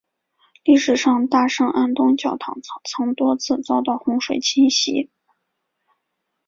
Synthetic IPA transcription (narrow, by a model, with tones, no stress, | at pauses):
li˥˩ʂɻ̩˨˩ʂɑ˥˧ŋt̪a˥˩ʂɤ˥˩ŋʔa˥nt̪ʊ˥ŋt͡ɕjɑ˥˩ʊt̪ʰɑ˨˩ŋ˥t͡sʰɤ˧˥ŋt̪wɔ˥t͡sʰɹ̩˥˧t͡sɑ˥˧ʊt̪ɑ˥˩ʊxʊ˧˥ŋʂwe˨˩ɪt͡ɕʰi˥nɕi˧˥